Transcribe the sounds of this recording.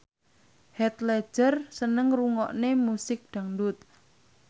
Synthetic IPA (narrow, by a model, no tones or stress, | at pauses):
hɛt̪lɛ̥ʒ̥ərsənəŋruŋɔʔnemusɪk̚ɖ̥ä̤ŋdʊt̪̚